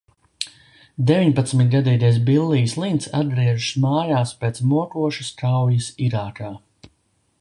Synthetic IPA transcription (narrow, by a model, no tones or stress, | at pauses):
d̪evʲiɲpat̪smit̪̚ɡad̪iːt̪ajs̬bilˠːiːjslˠint̪sa̰d̪̚d̪ɾiɛʒuʃmaːjaːspeːt̪smuɔkuɔʃuskawjisiɾaːkaː